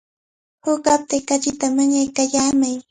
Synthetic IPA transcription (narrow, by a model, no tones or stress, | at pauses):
hʊkap̚t̪ɪkat͡ʃɪt̪amaɲajkaʎaːmaj